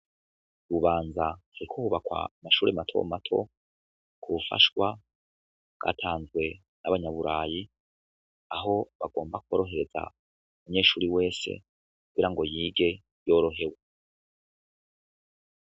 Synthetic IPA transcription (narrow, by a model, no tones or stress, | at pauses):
ɾuβaːnzahaɾikʰouβakwa̰maʃuːɾematʰo̞̰matʰo̞̰ | kʰuufa̰ʃwa | ɡ̥a̰tʰaːnzɡwe̞ | naβaɲaβuɾaːji | aɦo̞βaɡo̞ːmbakuoɾo̞ɦe̞ɾe̞za̰ | umuɲe̞ːʃuːɾiwe̞ːse̞̰ | kuɡiɾaŋɡo̞jiːɡe̞ | joːɾo̞ɦe̞we